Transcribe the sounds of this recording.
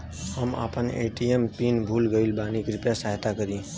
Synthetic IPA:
həma̰pənḛʈijempinbʱulɡəɪlbanikɾupjasaɦt̪akəɾĩ

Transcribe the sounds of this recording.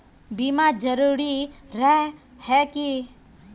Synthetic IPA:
bimad͡ʒəɾuɾiɾəɦ | hɛki

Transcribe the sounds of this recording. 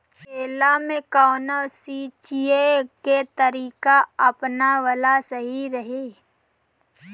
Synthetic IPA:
kʰeːlamẽkaːnasit͡ʃieket̪əɾiːkaɐpnaʋəlasəɦiɾəɦeː

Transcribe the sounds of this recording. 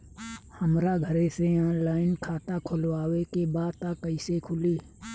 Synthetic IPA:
həmɾaɡʱəɾẽseãlaːɪnkʰaːt̪akʰʊlwaːwekebaːd̪t̪akəisekʰʊliː

